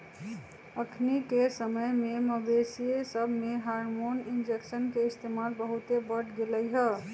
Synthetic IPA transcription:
əkʰnikesəməjmeməbesiesəbʱmeɦaɾmonind͡ʒeksənkeist̪emalbəɦut̪ebəʈɡeləjɦə

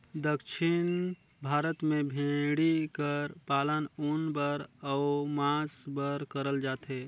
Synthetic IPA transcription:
d̪əkʃʰɪn | bʱaːɾət̪mẽbʱẽɽikəɾpaːlənunbəɾəʊmãːsbəɾkəɾəld͡ʒaːt̪ɦɛ

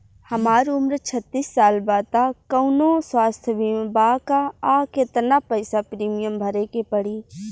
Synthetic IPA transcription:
həmaːɾʊmɾt͡ʃʰət̪ːisːaːlbaːt̪akəʊnoswaːst̪ʰəbimbakaːket̪napəɪsapɾiːmijəmbʱəɾekepəɽiː

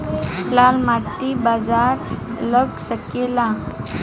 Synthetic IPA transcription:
plalmaʈːibad͡zaɾləɡsəkela

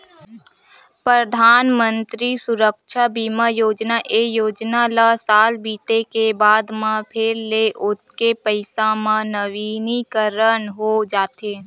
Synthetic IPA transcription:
pɾəd̪ʱaːnmə̃nt̪ɾisʊɾəkʃʰabiːmajoːd͡ʒnaʔejoːd͡ʒnalasaːlbiːt̪ekebaːd̪mãpʰeɾleʔʊt̪̚kepəɪsãmãnəʋiːnikəɾənɦod͡ʒaːt̪eː

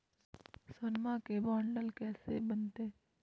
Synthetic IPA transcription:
sʊnmakebɔːɳɖəlkɛːsḛbənt̪eː

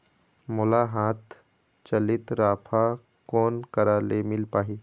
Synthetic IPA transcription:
mʊlaɦaːt̪ | t͡ʃɐlɪt̪ɾaːpʰa | koːnkəɾaːlemɪlpaːɦiː

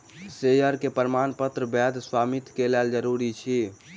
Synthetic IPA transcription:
sejəɾkepəɾmanpət̪ɾəbɛd̪ʱswamit̪kelɛld͡ʒəɾuɾit͡ʃʰi

